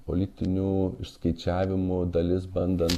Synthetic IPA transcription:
po̰lʲɪt̪ʲɪnʲuːɪʃskɐɪt͡ʃʲæːʋʲɪmʊd̪ɐlʲɪsbɐnd̪ɐnt̪

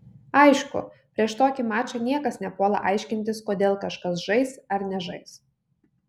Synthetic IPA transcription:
ɐɪʃkʊ̰pʲɾʲiɛʃt̪oːkʲɪmɑːt͡ʃʲɐnʲiɛkɐsnʲɛpoːlˠɐ̰ʔɐɪʃʲkʲɪnʲt̪ʲɪskoːd̪ʲeːlˠkɐʃkɐs̬ʒɐɪsɐɾnʲɛʒɐɪs

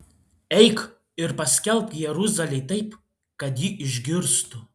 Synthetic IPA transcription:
ɛɪk | ɪɾpɐsʲkʲɛlʲˠpjɛɾʊzɐlʲɛɪt̪ɐɪp | kɐt̪jiʔɪʒʲɡʲɪɾst̪ʊ

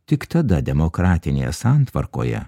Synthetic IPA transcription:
t̪ʲɪkt̪ɐd̪ɐd̪ʲɛmoːkɾɑːt̪ʲɪnʲḛjɛ̰sɑnt̪ʋɐɾko̰ːjɛ̰

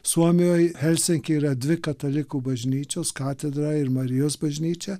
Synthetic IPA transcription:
suɔmijojhɛlʲsʲɪŋkiɾad̪ʋʲɪkɐt̪olʲɪkubɐʒʲnʲiːt͡ʃoskaːt̪ɛd̪ɾaɪɾmɐɾijosbɐʒʲnʲiːt͡ʃɛ

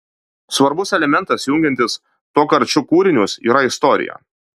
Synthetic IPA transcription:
sʋɐɾbʊsɛlʲɛmʲɛnt̪ɐsjʊŋʲɡʲɛnʲt̪ʲɪs | t̪oːkɐɾʲt͡ʃʲʊkuːɾʲɪnʲʊsḭːɾɐɪst̪ɔɾʲɪ̰jo̰

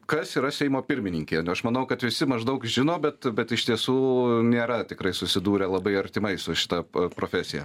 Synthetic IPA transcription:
kɐsiːɾɐsʲɛɪmoːpʲɪɾʲmʲɪnʲɪŋʲkʲeːɐʃmɐnɐʊkɐt̪ʋʲɪsʲɪmɐʒd̪ɐʊkʒʲɪnoːbʲɛt̪bʲɛt̪ɪʃt̪ʲiɛsuːnʲeːɾɐt̪ʲɪkɾɐɪsʊsʲɪd̪uːɾʲelˠɐbɐɪɐɾʲt̪ʲɪmɐɪsʊʃʲɪ̥t̪ɐpɾoːfʲæsʲɪjɛ̰

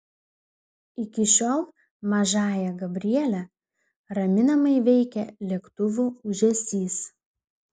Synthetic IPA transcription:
ɪkʲɪʃʲoːlˠ | mɐʒɑːjɛɡɐbʲɾʲɪɛlʲɛ | ɾɐmʲɪnɐmɐɪʋʲɛɪkʲɛlʲiɛkt̪ʊʋuːʊʒʲɛsʲiːs

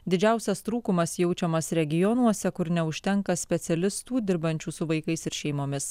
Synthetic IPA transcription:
d̪ʲɪd͡ʒʲæˑʊsʲɛst̪ɾuːkʊmɐsjɛʊt͡ʃʲɛmɐsɾʲɛɡʲɪjɔnuɔsʲɛkʊɾnʲɛʊʃʲt̪ʲɛŋkɐsʲpʲɛt̪sʲɛlʲɪst̪uːd̪ʲɪɾbɐnʲt͡ʃʲuːsʊʋɐɪkɐɪsɪɾʃʲɛɪmoːmʲɪs

